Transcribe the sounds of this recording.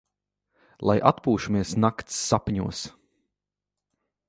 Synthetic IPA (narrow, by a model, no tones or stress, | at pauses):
lˠa̰jʔat̪puːʃumiɛsnakt̪sːapɲuɔs